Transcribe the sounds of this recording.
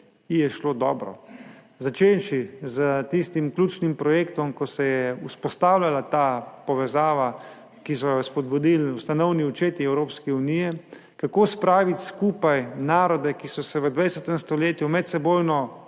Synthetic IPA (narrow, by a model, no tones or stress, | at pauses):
ijɛʃloːd̪ɔ̰ːbɾɔ̰ | zat͡ʃenʃizət̪ist̪imklʲuːt͡ʃnimpɾɔjeːkt̪ɔmkɔsɛjɛuspɔst̪awlʲjalat̪apɔʋɛzaːʋa | kisɔjɔspɔd̪̚bud̪ilust̪anɔwniut͡ʃeːt̪iɛwɾoːpskɛuniːjɛ | kakoːspɾaːʋit̪ʲskuːpajnaːɾɔd̪ɛkisɔsɛʋəd̪ʋajɛsɛt̪ɛmst̪ɔleːt̪jumɛt̪sɛboːjnɔ